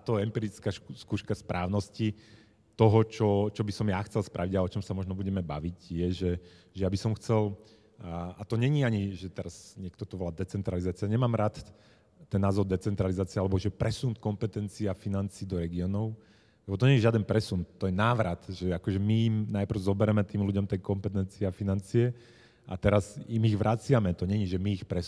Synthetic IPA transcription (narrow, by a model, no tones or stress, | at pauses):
at̪ɔɛmpiːɾit͡skaːskuːʃkaspɾʔaːʊnɔsci | t̪ɔɦɔt͡ʃɔt͡ʃɔbisɔmjaxt͡sɛlspɾaʋiɟaɛɔt͡ʃɔmsamɔʒnɔbuɟɛmɛbaʋiɟjɛʒɛʒɛjabisɔmxt͡sɛl | at̪ɔɲɛɲiaɲiʒɛt̪ɛɾaz̥ɲɪɛkt̪ɔt̪ɔʋɔlad̪ɛt͡sɛnt̪ɾalizaːt͡siaɲɛmaːmɾaːt̪ | t̪ɛnːaːzɔɾd̪ɛt͡sɛnt̪ɾalizaːt͡siɛalɛbɔʒɛpɾɛsunt̪kɔmpɛt̪ɛnt͡siafinant͡siːd̪ɔɾɛɡiɔːnɔʊ | lɛbɔt̪ɔɲɛɲɛʒɪad̪ɛnpɾɛsunt̪ːɔjɛnaːʋɾat̪ʒɛakɔʒɛmiimnajpr̩ʊzɔbɛɾɛmɛt̪iːmluɟɔmt̪ɛjkɔmpɛt̪ɛnt͡siɛafinant͡siɛ | ʔa̰t̪ɛɾazimiɣʋɾʔat͡sɪamɛt̪ɔɲɛɲiʒɛmiːxpɾɛ